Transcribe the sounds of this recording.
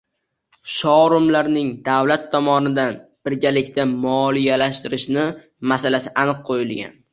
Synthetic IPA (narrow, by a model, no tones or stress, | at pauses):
ʃɒɾʊmlaɾnɪŋd̪awlat̪ʰːɒmɒnɪd̪anb̥ɪɾɡʲalɪkʲt̪ʰamɒlˠijalaʃt̪ɪɾɪʃnɪ | masalasɪʔanɨqqʰojɪlɡʲa̰n